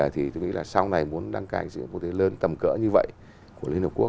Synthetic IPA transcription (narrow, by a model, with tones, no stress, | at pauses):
ə˨˩t̪ʰi˨˩t̪o˧ŋḭ˧˥laː˨˩sa˧wna˨˩jmu˨˦ənɗa˧ŋka̰ː˧˩ŋzɨ̰˧˥˦ku˧t̪e˨˦ləː˨˦nt̪ə˨˩mkə̰ː˧˥ɲɨ˧və̰˧˨jʔ | ku˧˩əli˧ənhi˨˩k͡pku˦˥